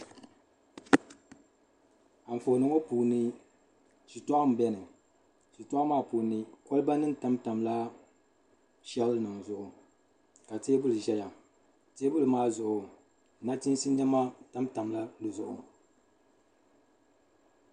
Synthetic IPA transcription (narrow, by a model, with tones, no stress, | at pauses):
a˨ɱ̩˨fo˨nɨ˨ŋo˦puː˨nɨ˦ | t͡ʃi˨tɔ˦a˦m˨˦bɛ˦nɨ˨ | t͡ʃi˨tɔ˦maː˦˨puː˨nɨ˦ko˦lba˦nɨ˦n˦ta˦mta˨mla˦ | ʃɛ˦lnɨ˨ŋzʊ˨ʔʊ˨ | ka˨teː˦bʊ˦lɨ˨ʒɛ˦ja˨ | te˦bʊ˦lɨ˨maː˦˨zʊ˨ʔʊ˨ | na˦ti˦n˦si˦n˦d͡ʒɛ˦ma˦ta˦mta˨mla˦lɨ˨zʊ˨ʔʊ̰˨